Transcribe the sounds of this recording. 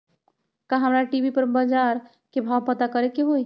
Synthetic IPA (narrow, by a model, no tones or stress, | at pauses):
kaɦəmɾaʈibʱipəɾbəd͡ʒaɾ | kebʱawpət̪akəɾekeɦoj